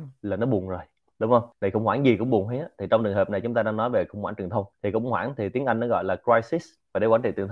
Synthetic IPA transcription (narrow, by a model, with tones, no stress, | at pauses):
laː˨˩nɔ˨˦ɓʊ˨˩əŋzo˨˩j | ɗʊ˨˦ŋ͡mhə˧wŋ͡mɗxə̰˧˨ŋ͡mhwaː˧˩nzi˨˩kʊ̰˧˥ŋ͡mɓʊ˨˩ə˩hə˨˦jʔa˨˦t̪ʰi˨˩t͡ɕɔ˧ŋ͡mt͡ɕɨ˨˩əŋɦəː˨˩p̚na˨˩jt͡ɕʊ˨˦ŋ͡mt̪aː˧ɗaː˧ŋnɔ˨˦jve˨˩xwŋ͡mhwaː˧˩nt͡ɕɨ˨˩ŋt̪ʰə˧wŋ͡mt̪ʰi˨˩kʊ̰˧˥wŋ͡mhwaː˧˩nt̪ʰi˨˩t̪i˨˦əŋʔa˧jŋnɔ˨˦ɣɔ̰˧˨jlaː˨˩kɹwaː˧jsi˦˥s | vaː˨˩ɗe˧˦waː˧˥nt͡ɕḭ˧˨˩t̪ə˩˧